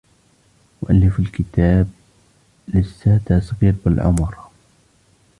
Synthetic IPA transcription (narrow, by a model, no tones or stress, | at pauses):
wʊʔalːɪfɪlkɪt̪aːb̚ | lɪsːat̪asˤɣiːɾbɪlʕʊ̰mɾ